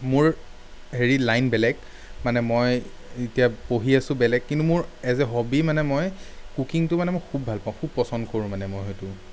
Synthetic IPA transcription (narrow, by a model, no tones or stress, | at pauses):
mʊɹ | ɦeɹilajnbɛlɛɡ | manɛmoj | itijapoɦiasʊ̃bɛlɛkːintumʊɹɛzɛɦobimanɛmojkukiŋtʊmanɛmojkʰubʱalpaʊ̃kʰub̚pːɔsɔndkoɹʊ̃manɛmojɦɔjtʊ